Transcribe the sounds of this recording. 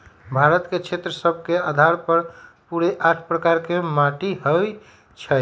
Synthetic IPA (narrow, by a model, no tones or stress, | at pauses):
bʱaɾət̪ket͡ʃʰet̪ɾəsəbʱkead̪ʱaɾpəɾ | puɾeʔaʈʰpɾəkaɾkemaʈiɦə | t͡ʃʰɛ